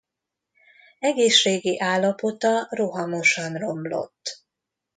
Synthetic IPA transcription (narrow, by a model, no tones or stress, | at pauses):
ɛɡeːʃːeːɡiʔaːlːɒpo̞t̪ɒro̞ɦɒmo̞ʃɒnro̞mblo̞̰t̪ː